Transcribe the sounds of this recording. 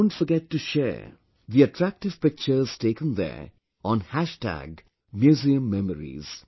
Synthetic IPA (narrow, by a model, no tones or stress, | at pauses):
ʊ̃nʈfɔɡɛʈːuʃɛ̰ː | d̪iəʈʰɾæk̚ʈɪʋ̥pɪk̚t͡ʃəɾz̥teːkə̃nd̪ɛ̰ | ʔɔ̃nhæʃʈæ̰ɡ | mjuːziə̃mːɛməɾḭz̥